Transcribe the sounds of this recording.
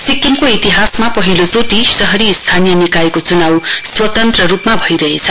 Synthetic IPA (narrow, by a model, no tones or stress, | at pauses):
sikːemkoit̪iɦasmapʌɦilod͡zot̪isʌɦʌɾiːst̪ʰanijʌnikajekot͡sunawswʌt̪ʌnt̪rʌɾupmabʱʌjɾʌɦet͡sʰʌ